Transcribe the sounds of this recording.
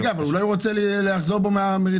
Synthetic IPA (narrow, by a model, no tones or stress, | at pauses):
ɡaavalulajʁot͡selleaχzoʁbomeameʁi